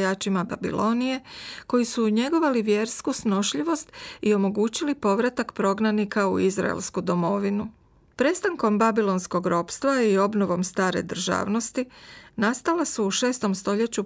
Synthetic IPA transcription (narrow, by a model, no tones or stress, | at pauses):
jaːt͡ʃimaba̰bḭlo̞nije̞ko̞jisuɲe̞ɡo̞ʋaliʋje̞ɾskusno̞ʃʎiʋo̞st̪io̞mo̞ɡuːt͡ɕilipo̞ʋɾat̪akpɾo̞ɡnanikaṵizɾa̰ḛlskud̪o̞mo̞ʋinu | pɾe̞st̪aŋko̞mbabilˠo̞nsko̞ɡɾo̞ːpst̪ʋaio̞bno̞ʋo̞mst̪aːɾe̞̰d̪r̩ʒa̰ːʋno̞st̪inast̪alasuːʃe̞ːst̪o̞mst̪o̞ʎe̞t͡ɕu